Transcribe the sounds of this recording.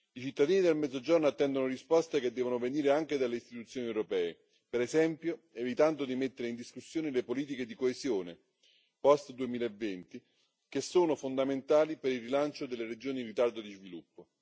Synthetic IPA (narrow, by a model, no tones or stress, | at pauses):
it͡ʃit̪ːad̪iːnid̪elmɛd̪zod͡ʒornoat̪ːɛnd̪onorispɔst̪ek̟ed̪ːɛːvonoveniːɾeaŋk̟ed̪alːeist̪i̥t̪ut̪sːjoːniewɾopɛːe | peɾesɛmpjoevit̪and̪od̪imet̪ːeɾeind̪iskusːjoːnelepoliːt̪̬iked̪ikoezjoːnḛ | pɔst̪d̪uemiːlaevːent̪i | kesːoːnofond̪ament̪aːlipeɾilrilant͡ʃod̪elːeɾed͡ʒoːnirit̪ard̪od̪izvilupːo